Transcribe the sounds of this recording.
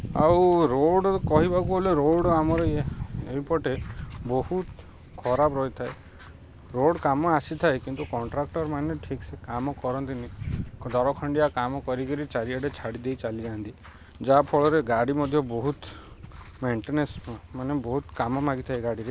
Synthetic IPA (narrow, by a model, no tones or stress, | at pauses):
a̰wɾoɽkɔɦibakuoleɾoɖkamɔɾɔjeeipɔʈebɔhut̪ | kʰɔɾabɾɔjt̪ʰae | ɾoɽkamɔasit̪ʰaekint̪ukɔɳʈɾak̚ʈɔɾmaneʈʰiksekamɔkɔɾɔnt̪inid̪ʱɔɾɔkʰɔɳɖiakamɔkɔɾikɔɾit͡ʃaɾiaɖet͡ʃʰaɽid̪ejt͡ʃalid͡ʒant̪i | d͡ʒapʰoɭɔɾeɡaɽimɔd̪ʱjɔbɔɦut̪ | meɳʈenesmanebɔɦut̪kamɔmaɡit̪ʰaeɡaɽiɾe